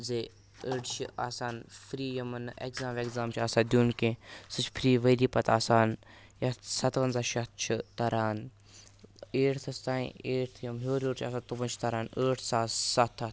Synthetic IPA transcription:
zeː | əːʈt͡ʃʰḭaːsaːnpʰɾiːjɐmɐnekzãːmʋekzaːmt͡ʃʰaːsaːd̪juːnkẽsɨt͡ʃʰpʰɾiːʋəd̪iːpɐt̪aːsaːnjɐt̪sɐt̪ʋɐnzaːʃɐt̪̚t͡ʃʰit̪ɐɾaːn | eːʈt̪ʰɐst̪aːḭ̃eːʈt̪ʰjɐmɦoːɾʲoːʈt͡ʃʰaːsaːt̪ubɐnt͡ʃʰt̪ɐɾaːnəːʈ̪ʰsaːsɐt̪ʰːɐt̪

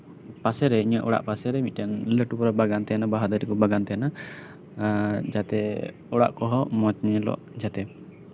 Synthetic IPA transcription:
pasɛɾɛiɲaʔɔɽa̰ʔpasɛɾɛmit̪̚ˀtanləʈupɔɾabaɡant̪ɛjanabaɦad̪aɾikɔbaɡant̪ɛjana | d͡ʒat̪ɛ | ɔɽa̰ʔkɔɦɔmɔt͡ʃɲɛlɔ̰ʔd͡ʒat̪ɛ

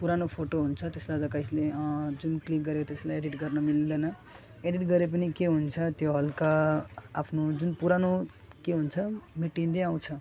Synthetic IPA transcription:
puɾanopʰoʈoɦunt͡sʰʌt̪eslad͡zʌkajsled͡zunklik̚ɡʌɾekot̪eslajeɽiʈɡʌrnʌmild̪ʌnʌ | eɖiʈɡʌɾep̬ʌnikeɦunt͡sʰʌt̪joɦʌlkaː | pʰnod͡zunpuɾano | keɦunt͡sʰʌmiʈind̪eaw̃t͡sʰʌ

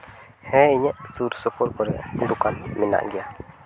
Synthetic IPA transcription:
hɛiɲɛʔsuɾsopoɾkoɾɛ̰nd̪ukanmina̰ʔɡja

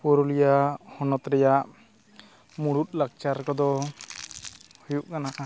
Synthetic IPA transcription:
pɔɾulijahɔnɔt̪ɾɛjaʔ | muɽut̪̚lak̚t͡ʃaɾkɔd̪ɔ | hujuʔkanaka

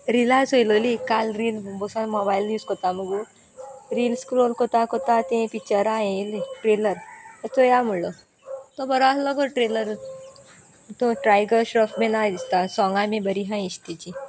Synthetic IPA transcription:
ɾilasɦojilolikalɾiːlbosanmɔbailjuːskɔt̪aməɡu | ɾiːlskɾolkot̪akot̪at̪ẽpit͡ɕəɾãẽlʈɾeləɾət̪ɔjamuɭɔ | t̪ɔbəɾasləɡoʈɾeləɾ | t̪ũʈɾajɡəɾɕɾɔfmenad̪ist̪asɔŋɡãmĩbəɾiɦãiɕt̪it͡ɕi

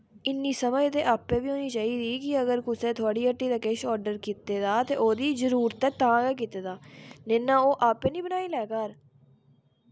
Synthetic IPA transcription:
ɪnːiːsəməd͡ʒt̪eːʔaːpːẽːbiːɦoːniːt͡ʃaːiːd̪iːkɪəɡəɾkʊsẽːt̪ʰʊaːɽiːəʈːiːd̪aːkeːʃɔːɾɖəɾkiːt̪eːd̪aːt̪eːʔoːd̪iːzəɾuːɾt̪ɛːt̪ãːɡaːk̬iːt̪eːd̪aːneːnãːoːʔaːpẽːnĩːbənaːiːlɛːkaɾ

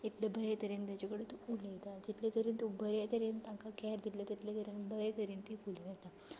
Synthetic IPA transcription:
ekljabʱəɾet̪əɾent̪jat͡ɕakəɽet̪oulet̪ad͡ʑit̪lat̪əɾiːnt̪obʱəɾat̪əɾent̪ãŋkakɛɾd̪illat̪it̪ljat̪əɾenbʱəɾet̪əɾiːnt̪ifulʋet̪a

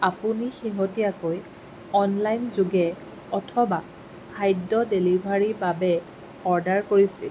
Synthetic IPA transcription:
apunixiɦotijakoj | ɔnlajnzuɡɛ | ɔtʰɔba | pʰajdɔdelibʱaɹibabɛ | ɔɹdaɹkoɹisḭl

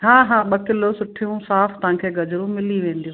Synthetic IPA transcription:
ɦãːɦãːɓɐkɪlosʊʈʰijũsaːft̪ɐʋ̤ãːkʰeːɡɐzɾũmɪliʋẽːnd̪ijũ

